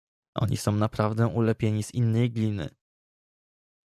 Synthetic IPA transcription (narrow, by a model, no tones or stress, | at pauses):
ʔɔ̰ɲḭsɔ̃w̃napɾavd̪ɛʔulɛpʲjeɲiz̥inːɛjɡlʲinɘ̰